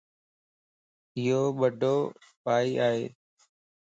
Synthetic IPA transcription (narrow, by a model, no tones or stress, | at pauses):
ɪɦoːɓəɖʱoːpaːiːʔaːɦḛː